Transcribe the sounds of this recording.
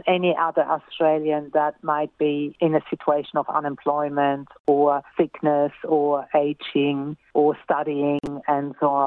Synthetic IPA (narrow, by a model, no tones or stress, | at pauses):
ɛniʔʌðə˞ʔɔstɹ̥eɪlˠjɨ̃nðət̚maɪt̚b̥iɪ̃nɨsɪt͡ʃueɪʃə̃nʌvʌ̰̃nɛ̃mpʰl̥ɔɪmə̃ntʰəsɪknəsə˞eɪd͡ʒɪ̃ŋʔə˞stʌɾiɪ̃ŋɨ̃nsõ